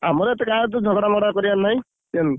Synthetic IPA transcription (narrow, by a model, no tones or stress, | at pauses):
amɔɾet̪ekat̪̬ud͡ʒʱɔɡɽamɔɽakɔɾianːaj̃ | t̪ian